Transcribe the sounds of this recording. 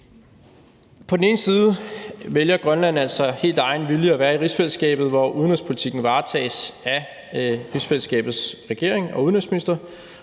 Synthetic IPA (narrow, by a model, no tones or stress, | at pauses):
pʰɒ̽d̥n̩e̝ːn̩siːð̞ˠəʋeljɐɡ̥ʁɶnlæn̰æl̰sɒ̽he̝̰ːld̥ɑ̈ɪnʋiljəæʋæːɐiʁisfelsɡ̥ɛ̰ːb̥ð̩ˠʋɒʔuðˠnʁyspʰo̝lit͡sʰiɡ̥n̩ʋɑ̈ːt͡sʰɛ̰ːsæ | ʁisfel̰sɡ̥ɛ̰ːb̥ð̞̩ˠsʁɛɡ̥e̝ɐeŋɒ̽uðˠnøsminisd̥ɐ